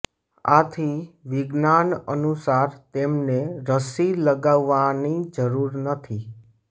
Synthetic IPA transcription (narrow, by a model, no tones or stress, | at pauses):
a̰t̪ʰiʋɪɡnanənusaɾt̪emneɾəsiləɡaʋːanid͡ʒəɾuɾnət̪ʰi